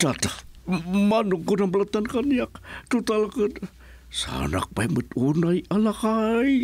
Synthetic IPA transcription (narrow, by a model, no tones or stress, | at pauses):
tat̪a | manuŋkunabəlat̪ankanjakt̪ut̪alakən | sa̰na̰k̚pamət̪unaialakai